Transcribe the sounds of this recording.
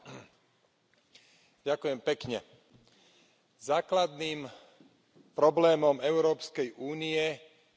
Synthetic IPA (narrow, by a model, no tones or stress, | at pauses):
ɟakʊjɛmpɛkɲɛ | zaːklad̪niːm | pɾɔblɛːmɔmɛʊɾɔːpskɛjʔuːniɛ